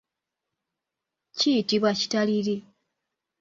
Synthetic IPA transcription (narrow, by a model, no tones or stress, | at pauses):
citiβwaci̥taliɾi